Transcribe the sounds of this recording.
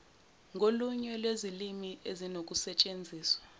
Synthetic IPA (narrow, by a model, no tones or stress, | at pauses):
ŋʱoluɲɛlwezilimiezinok̬ʼusɛt͡ʃʼend͡zʱiːswḁ